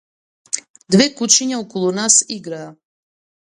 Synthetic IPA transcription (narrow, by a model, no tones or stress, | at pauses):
d̪vɛkut͡ʃiɲaɔkɔlˠunasiɡɾaː